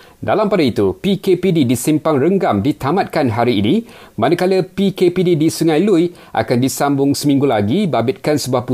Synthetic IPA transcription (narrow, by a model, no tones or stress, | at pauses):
dalampadait̪upikepididisimpaŋɾəŋɡamdit̪amãt̪̚kanɦaɾiːnĩ | manakaləpikepididisuŋajluj | ʔa̰kandisambʊŋsəmĩŋɡulaɡibabɪt̪̚kansəbuahpu